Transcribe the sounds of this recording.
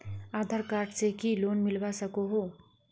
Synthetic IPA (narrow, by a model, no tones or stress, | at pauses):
ad̪ʱaɾkaɾɖt͡ʃekilonmilbasəkoɦo